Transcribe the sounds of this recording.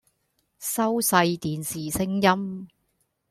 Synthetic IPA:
sɐ˥wsɐ˧jt̪iː˨nsiː˨˩sɪ˥ŋjɐ˥m

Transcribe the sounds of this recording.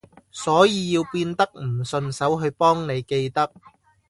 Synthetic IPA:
sɔː˨˥jiː˧jiː˧wpiː˧nt̪ɐ˥k̚m̩˨˩sɵ˧nsɐ˨˥wɦɵ˧ɥpɔː˥ŋne˨˧jke˧jt̪ɐ˥k̚

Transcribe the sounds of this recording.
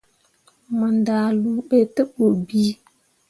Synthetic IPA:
mə˨nda˨lu˦ɓe˦tə˦ɓo˨bi˦

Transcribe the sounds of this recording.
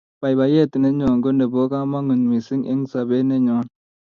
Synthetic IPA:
pa˨jba˨je˦˨tne˦ɲɔ˨ŋɡo˦nde˨bo˦ka˦ma˦ŋu˨nmi˨si˦ŋʔḛ˦ŋsa˨be˦ne˦ɲɔ˨˦n

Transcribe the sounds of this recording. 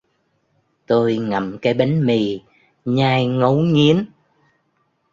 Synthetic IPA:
t̪o˧jŋa˨˩mkaː˨˦jɓa˨˦jŋmi˨˩ | ɲaː˧jŋə˨˦wŋi˨˦ən

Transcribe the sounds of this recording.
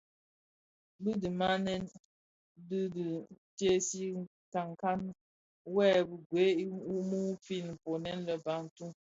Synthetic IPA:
bɨ˦di˨ma˦nɛ˦n | di˦di˨tje˦si˦ | ka˨ŋ˨ka˦n | wɛ˦bə˨ɡwe˨˦i˦u˦mu˦pi˦˨n˨m̩˨po˨nɛ˦nlə˨ba˨n̩˨tu˦

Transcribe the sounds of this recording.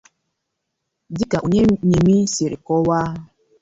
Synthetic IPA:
di˦ka˨ʔu˨ɲe˦ɲe˨mi˦se˨ɾḭ˨kɔ˦wa˦

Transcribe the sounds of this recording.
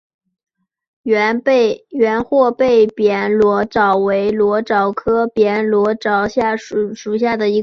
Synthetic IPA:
ɥɛ˧˥nxwɔ˥˧pe˥˩ɪpjɛ˧˥nlwɔ˧˥ʈ͡ʂɑ˨˩ʊwe˧˥ɪlwɔ˧˥ʈ͡ʂɑ˨˩ʊkʰɤ˥pjɛ˧˥nlwɔ˧˥ʈ͡ʂɑ˨˩ʊɕja˥˩ʂu˨˩ʂu˨˩ɕ̬ja˥˩d̪ə˩i˧˥

